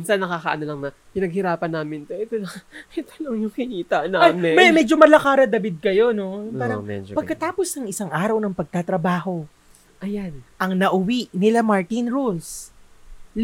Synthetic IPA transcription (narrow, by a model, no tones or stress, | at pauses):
mnsɐnːɐkakɐʔɐnolɐŋnɐ | pɪnɐɡ̚hɪɾaːpɐnːaːmɪnt̪oʔɛt̪olɐŋɛt̪olɐŋjʊŋkɪniːt̪ɐʔnaajmɪbɛmɛd͡ʒomɐlɐkaːɾɐd̪ɐbɪd̪̚kɐjo̞no̞paːɾɐɛ̰d͡ʒpɐɡkɐt̪aːpo̞snɐŋɪsaŋʔaːɾɐwnɐŋpɐɡ̚t̪at̪ɾɐbaːho̞ | ʔɐjanʔɐŋnɐʔʊwiʔnɪlamaɹt̪inɾols